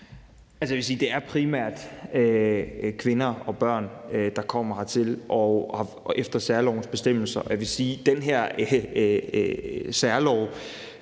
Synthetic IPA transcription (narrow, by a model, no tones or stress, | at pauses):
ʔæls̬əjæʋe̝siːd̥e̝æɐpʰʁimæɐ̰d̥økʰʋe̝nɐɒ̽b̥ɶɐ̰nød̥ɑ̈kʰɒ̽m̰ɐhɑ̈t͡sʰe̝lʔɒhɑ̈ | efd̥ɐsæɐlɒʊn̩sb̥e̝sd̥em̰l̩sɐʔɒ̽jæʋe̝siːd̥enɦæɐ̰ | sæɐlɒʊ̰